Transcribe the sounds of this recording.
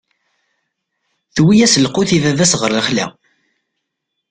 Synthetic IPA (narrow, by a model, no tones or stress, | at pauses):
θwijæsəlquθivævæsʁəɾləχlæ̰